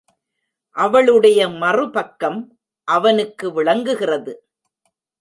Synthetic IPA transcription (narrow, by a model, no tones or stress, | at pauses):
ʔɐʋɐɭɯɽɐjɐmɐrɯpɐkːɐm | ʔɐʋɐnɯkːɯʋɪɭɐŋɡɯɣɪrɐðɯ